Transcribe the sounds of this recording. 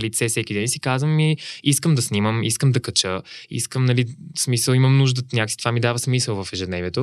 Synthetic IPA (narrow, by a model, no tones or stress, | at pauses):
lit̪sɛfsɛkʲid̪ɛnisi̥kazvəmːiiskəmd̪ɐsniməmiskəmd̪ɐkɐt͡ʃəḭskəmnɐlismisəlˠiməmnuʒd̪ənʲakksit̪ovamid̪avəsmisəlˠvəfɛʒɛd̪nɛvʲiɛt̪o